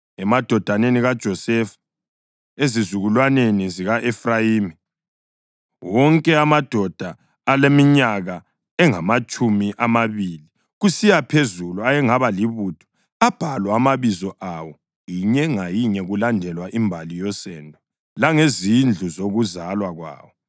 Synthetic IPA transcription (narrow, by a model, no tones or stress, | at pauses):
ɛmad̥ʱɔd̥ʱaneniɣad̥ʒ̥ʱɔsɛf | ezizuɣulwaneniziɣaʔɛfrajiːmi | wɔŋkʼɛamad̥ʱɔd̥ʱaː | lemiɲaɣa | ɛŋamat͡ʃʼumiʔamaβiːli | ɣusijapʰezuluajɛŋaβaliβutʰɔ̥ | ab̥ʱalwɔamaβizɔʔawɔ | jiɲɛŋajiɲɛɣulandʱɛlwaʔimbʱalijɔsɛːndʱɔ | laŋezind͡ɮʱuzoɣuzalwaɣwa̰ːwɔ